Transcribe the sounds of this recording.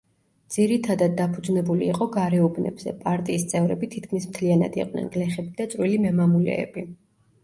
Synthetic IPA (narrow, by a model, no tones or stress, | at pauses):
d̪z̥iɾit̪ʰad̪ad̪̚ːapʰud̪znɛbuliːqʼɔɡaɾɛubnɛ̰bz̥ɛ̰pʼaɾt̪ʼiːst̪sʼɛvɾɛ̰bit̪ʰit̪̚ʰkʰmismt̪ʰliana̰d̪ḭqʼnɛ̰nɡlɛχɛbid̪at̪sʼɾwilimɛmamulɛ̰ːbi